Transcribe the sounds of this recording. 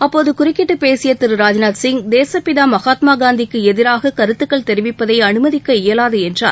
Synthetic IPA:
ɐpːoːðɯkʊɾɪkːɪʈːɯpeːsɪjɐt̪ːɪɾɯɾaːd͡ʒnaːʈsɪŋd̪eːsɐpɪðaːmɐɣaːt̪maːɡaːnd̪ɪkːɯɛðɪɾaːɣɐkɐɾɯt̪ːɯkːɐɭt̪ɛɾɪʋɪpːɐðɐɪɐnɯmɐðɪkːɐɪjɐlaːðɯɛndra̰ːɾ

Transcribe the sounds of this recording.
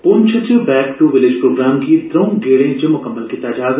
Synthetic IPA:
pʊmt͡ʃʰət͡ʃəbɛːkʈuʋɪlɪd͡ʒpɾoːɡɾaːmkit̪ɾɐŋɡeːɽẽd͡ʒɐmʊkɐmːəlkit̪aːd͡ʒaːz

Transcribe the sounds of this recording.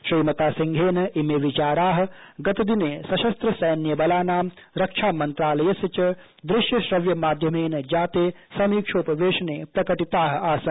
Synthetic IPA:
ʃɾiːmɐt̪aːsiŋɡʱeːnɐimeːʋit͡ʃaːɾaːɦɐ̆ | ɡɐt̪ɐd̪ineːsɐʃɐst̪ɾɐsɐjnjɐbɐlaːnaːm | ɾɐkʂʰaːmɐnt̪ɾaːlɐjɐsjɐt͡ʃɐ | d̪ɾɪʃjɐʃɾɐʋjɐmaːd̪ʱjɐmeːnɐd͡ʒaːt̪eː | sɐmiːkʂʰoːpɐʋeːʃɐneːpɾɐkɐʈit̪aːɦɐ̆aːsɐn

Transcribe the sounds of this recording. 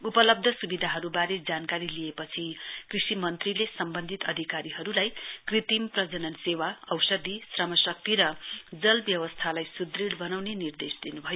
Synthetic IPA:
upʌlʌb̚d̪ʱʌsubid̪ʱaɦʌɾubaɾed͡zankaɾilijepʌt͡sʰikrisimʌnt̪rilesʌmbʌnd̪ʱit̪ʌd̪ʱikaɾiɦʌɾulajkrit̪imprʌd͡zʌnʌnsewaʌwsʌd̪isrʌmʌsʌk̚t̪iɾʌd͡zʌlbjʌwʌst̪ʰalajsud̪riɽbʌnawnenird̪esd̪inubʱʌjo

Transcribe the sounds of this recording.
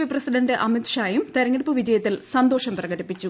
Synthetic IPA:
ʋiprɐsiɖɐndɨʔɐmit̪ɕaːjumt̪eɾɐŋːiɽɨpːɨʋid͡ʑɐjɐt̪ːilsɐnd̪o̞ːʂɐmprɐɣɐɾipːit͡ɕːu

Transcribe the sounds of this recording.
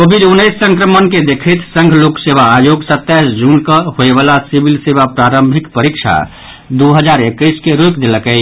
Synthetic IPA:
kobʱid̪unːəjsːə̃ŋkɾəmənked̪ekʰət̪sə̃ŋɡʱloksebaːjoɡsət̪ːɛsd͡ʒunkəhoebalasibʱilsebapɾaɾəmbʱikpəɾikt͡ʃʰa̰ | d̪uɦəd͡ʒaɾekːəjskeɾokd̪eləkɛ

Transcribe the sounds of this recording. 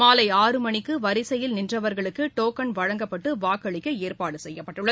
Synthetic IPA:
maːlɐɪaːrɯmɐɳɪkːɯʋɐɾɪsɐjɪlnɪndrɐʋɐɾɣɐɭɯkːɯʈoːkɐnʋɐɻɐŋɡɐpːɐʈːɯʋaːkɐɭɪkːɐeːrpaːɽɯsɛjːɐpːɐʈːɯɭːɐ

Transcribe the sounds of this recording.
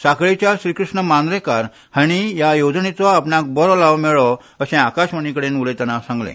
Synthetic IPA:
sakɭit͡ɕjaɕɾiːkɾuʂɳəmand̪ɾekaɾ | haɽ̃ijajod͡znit̪ʋaːpɳak̚bɔɾɔlaʋmɛɭɔ | əsẽakaɕmənikəɽenulet̪janasãŋɡlḛ̃

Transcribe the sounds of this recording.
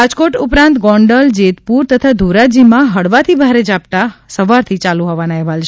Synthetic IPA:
ad͡ʒkoʈupɾãnt̪ɡɔ̃ɳɖəld͡ʒet̪puɾt̪ət̪ʰad̪ʱuɾad͡ʒimãɦəɽʋat̪ʰibʱaɾed͡ʒap̚t̪asəʋaɾt̪ʰit͡ʃalũɦɔʋanaɛɦʋalt͡ʃʰ

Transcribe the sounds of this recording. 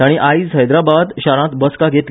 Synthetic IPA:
aɽ̃iʔaid͡zɦəjd̪ɾabad̪ɕaɾãt̪bəskaɡʱet̪

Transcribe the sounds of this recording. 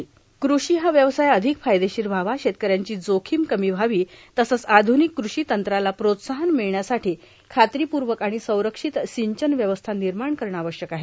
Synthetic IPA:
kɾuʂiːɦaʋjəʋsajəd̪ʱikfajd̪eɕiːɾbʱaʋaɕet̪̚kəɾjaɲt͡ɕiːd͡zokʰiːmkəmiːʋʱaʋiːt̪əsət͡sad̪ʱunikːɾuʂiːt̪ənt̪ɾalapɾot̪saɦənmiɭɳjasaʈiː | kʰat̪ɾiːpuɾʋəkaɽ̃isə̃w̃ɾəkʂit̪siɲt͡ɕənʋjəʋəst̪ʰaniɾmaɳkəɾɳaʋəɕjəkaɦe

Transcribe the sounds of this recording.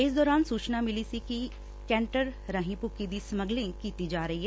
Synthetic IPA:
ɪs̬d̪ɔːɾaːnsuːt͡ʃnamɪlisiki | kɛ̃ːɳʈəɾɾãːɦĩpʊkid̪iːsəməɡlẽkiːt̪id͡ʒaːɾəɦiɦɛ

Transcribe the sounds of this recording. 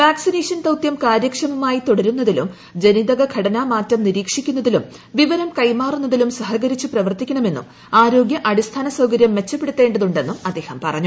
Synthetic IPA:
ʋaːksineːʂɐnt̪ɐwt̪jɐmkaːɾjɐkʂɐmumaːjit̪o̞ɽɐɾunːɐðilum | d͡ʑe̞niðɐɣɐɡʰʱɐɽɐnaːmaːtːɐmniɾiːkʂikʲːunːɐðilum | ʋiʋɐɾɐmkɐjmaːrunːɐðilumsɐɦɐɣɐɾit͡ɕːuprɐʋɐrt̪ikʲːɐɳɐme̞nːṵm | aːɾo̞ːɡʲjɐʔɐɽist̪ʰaːnɐsɐwkɐɾjɐmːe̞t͡ɕːɐpːe̞ɽut̪ːe̞ːɳɖɐðuɳɖe̞nːumɐd̪ːe̞ːhɐmpɐrɐ̰ɲːu

